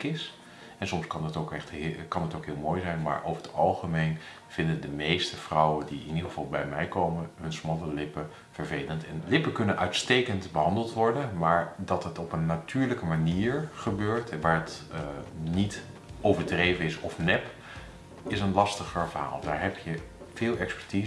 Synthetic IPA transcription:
kɪs | ɛnsɔmskɑnɑtokɛχtkɑnɦətowkɦɪːlˠmoːjzɛjnma̰ːɹʔo̰wvəɹətɑlˠχəmejn | v̥ɪndəndəmejstəv̥rɔwəndiɪ̰nidəχəv̥ɑlˠbɛjmɛjkowmənɦɵnsmɑləlɪpə | v̥əɹvejləntɛnlɪpəkɵnənʔœɥtstejkəntbəɦɑndəlˠtʋɔɹdənmaːɹdɑtɦətɔpənːatyːɹləkəmaniːɹχəbøːɹtʰɛʋaːɹɦət | nit | ʔowvəɹdrejvənɪsɔfnɛp | ɪsənlɑstəχəɹvəɹɦa̰ːlˠdaːɹɦɛpjə | v̥ɪːlˠɛkspɛ̥ɹti

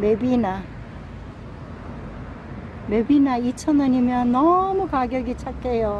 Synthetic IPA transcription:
bʱebina | bʱebinait͡sʰʌnd̪ʌnimeãnʌmukʰaɡjoɡit͡sʰakːejo

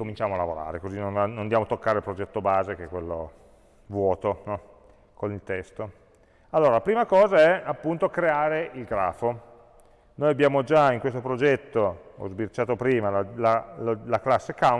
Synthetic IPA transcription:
komint͡ʃaːmoalːavoɾa̰ːɾekozinːonːond̪jaːmot̪okːaːɾeilpɾod͡ʒɛt̪ːobaːzekɛkwelːo̰ | vwɔːt̪onɔ | konilt̪ɛst̪o | alːoːɾalapɾiːmakɔːzaɛapːunt̪okɾeaːɾeʔilɡɾa̰ːfo | nojabjaːmod͡ʒaiŋkwest̪opɾod͡ʒɛt̪ːoɔ̰zbirt͡ʃaːt̪opɾiːmalalalaklasːeka

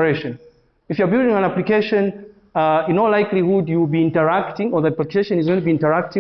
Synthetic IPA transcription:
ɹeʃɔ̃n | ifjɔ˞bɪldɪ̃ŋãnaplikeʃə̃n | ɨnɔlaɪklihudjubiɪ̃ntəɹaktɪ̃ŋɔðəaplikʰeʃɔ̃nizɡõɪ̃tubiɪ̃ntə˞ak̚tɪ̃

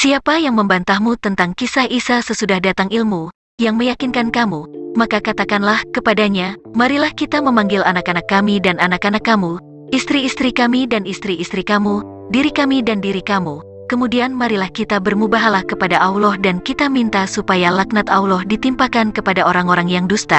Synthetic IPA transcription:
siapajaŋməmbant̪ahmut̪ənt̪aŋkisahisasəsudahdat̪aŋilmu | jaŋməjakinkankamumakakat̪akanlahkəpadaɲamaɾilahkit̪aməmaŋɡilanakanakːamidananakanakːamu | ist̪ɾiːst̪ɾikamidanist̪ɾiːst̪ɾikamu | diɾikamidandiɾikamu | kəmudianmaɾilahkit̪abərmubaɦalahkəpadaʔaulɔhdankit̪amint̪asupajalak̚nat̪aulɔhdit̪impakankəpadaoɾaŋoɾaŋjaŋdust̪a

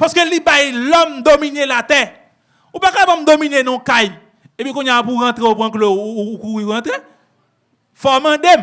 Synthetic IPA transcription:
pɔse̥kelibailɔmd̪omĩnelat̪ɛ | ubakaibɔm̩d̪omĩnenũkai | ebikoɲãpuɣãt̪ɾẽopuãklokuiɣãt̪ɾe | fɔmãdem

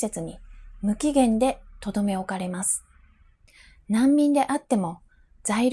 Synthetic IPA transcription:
e̞t͡sɨɲ̟imɯ̟kʲiɡẽ̞nd̪e̞t̪o̞d̪o̞me̞o̞kaɾe̞masɨ̥ | nãmːʲĩnd̪e̞ʔat̪ːe̞mo̞ | d͡zaiɾ

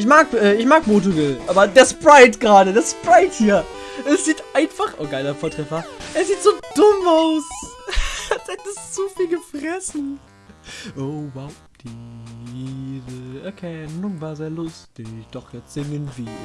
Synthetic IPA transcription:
ʔɪç̬maːkʔɛːɪçmaːkmoːt̬ovɪlʔaːbɐdeːɐspʁaɪtɡ̥ʁaːdədeːɐspʁaɪthiːɐ | ʔɛsz̥iːtʔaɪnfaχʔo̰ːɡaɪlɐfoːɐtʁ̥ɛfɐʔɛːɐziːtz̥oːd̥ʊmaʊs | tɛtɪst͡sufiːlɡəfʁ̥ɛsn̩ | ʔoʊwaʊ | d̥iiːzəɛɐkʰɛnənːʊŋvaːzeːɐlʊstɪçd̥ɔχjaz̥ɪŋənv̥iː

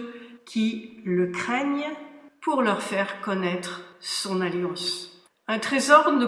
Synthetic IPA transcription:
kʲʰiləkχɛɲpuʁlœʁfɛʁkɔnɛt̪χsɔ̃naljɑ̃s | ɛ̃t̪χezɔʁnə

